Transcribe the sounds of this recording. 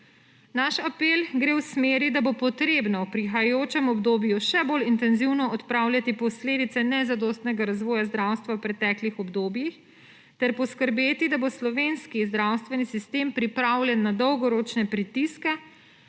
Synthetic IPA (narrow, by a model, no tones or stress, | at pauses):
naʃapelɡɾewsmeːɾid̪abopɔt̪ɾebnawpɾixajajoːt͡ʃɛmɔbd̪oːbjuʃɛbolint̪ɛnziwnɔɔt̪pɾawlʲjat̪ipɔsleːd̪it̪sɛnɛzad̪ɔːst̪nɛɡaɾazʋɔːjazd̪ɾawst̪ʋawpɾɛt̪ɛːklixɔbd̪oːbjix | t̪ɛɾpɔskəɾbeːt̪id̪aboslɔʋeːnskizd̪ɾawst̪ʋɛnisist̪empɾipɾawljɛnːad̪ɔwɡɔɾot͡ʃnɛpɾit̪iskɛ